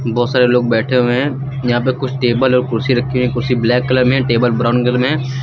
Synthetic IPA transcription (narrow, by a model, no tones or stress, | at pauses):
bɔːt̪saːɾeloːɡ̚bɛːʈʰeɦuɦɛ̃ | jɐɦãp̬əkʊt͡ʃʰʈeːbəlɔːɾkʊɾsiɾɐkʰːeũɛ̃kʊɾsiblɛːkːələɾɦɛ̃ʈeːbəlbɾaːʊnɡəlmɦɛ̃ː